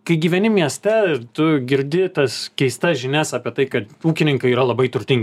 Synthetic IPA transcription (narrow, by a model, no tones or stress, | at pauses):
kɐɪɡʲiːʋʲɛnʲɪmʲiɛsʲt̪ʲɛt̪ʊɡʲɪɾʲd̪ʲɪt̪ɐskʲɛɪst̪ɐsʒʲɪnʲæsɑːpʲiɛt̪ɐɪkɐt̪uːkʲɪnʲɪŋkɐɪiːɾɐlˠɐbɐɪt̪ʊɾʲt̪ʲɪŋʲɡʲ